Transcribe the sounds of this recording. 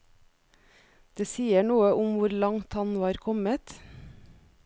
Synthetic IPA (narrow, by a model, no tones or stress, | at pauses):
d̪̥eːsiːəɳuːəʔʊmʋʊɾlɑŋt̪ɑnʋɑːɾkʰɔmət̪